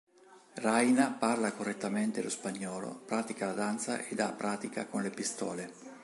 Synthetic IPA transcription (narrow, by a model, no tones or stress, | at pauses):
rajnaparlakorːet̪ːament̪elospaɲːɔːlo̰pɾaːt̪ikalad̪ant̪sa̰ʔed̪ːa̰pːɾaːt̪ika̰konlepist̪ɔːle